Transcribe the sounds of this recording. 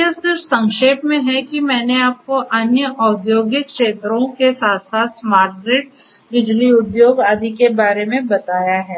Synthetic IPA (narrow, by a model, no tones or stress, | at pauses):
esɪɾsɐ̃ŋkʃeːpmẽɦɛkimɛ̃ːneaːp̚koʔɐnjəʔɔːd̪ʱjoːɡjɪk̪̚kʃeːt̪ɾõkesaːt̪ʰsaːt̪smaːɾʈ̚ɡɾeːʈ̚ | bɪd͡ʒliʊd̪joːɡaːd̪ikebaːɾemẽbɐt̪aːjaɦɛː